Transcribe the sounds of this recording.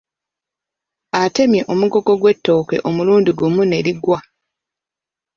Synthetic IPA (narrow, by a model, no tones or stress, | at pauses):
ate̞mje̞ʔo̞muɡo̞ɡo̞ɡwe̞tːo̞ːke̞̰ʔo̞muluːndiɡumune̞ɾiɡwa